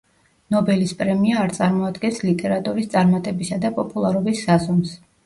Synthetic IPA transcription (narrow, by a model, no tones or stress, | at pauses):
nɔbɛlispʼɾɛmiaːɾt̪sʼaɾmɔad̪ɡɛnslit̪ʼɛɾat̪ʼuɾist̪sʼaɾmat̪ʼɛbisad̪apʼɔpʼulˠaɾɔbisːazɔms